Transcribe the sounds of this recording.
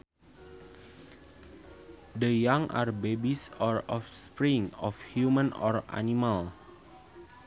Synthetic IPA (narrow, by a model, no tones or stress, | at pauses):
dəjaŋʔa̰rbebisɔrɔfspɹiŋɔfhjumə̃nɔra̰nimal